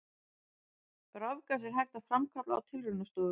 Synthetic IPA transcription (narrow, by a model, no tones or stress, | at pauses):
rɔvkas̬ɛɾ̥ɦajxt̪afɾamkʰat̪laa̰wt̪ʰɪlrɪnʏst̪ɔːðʏ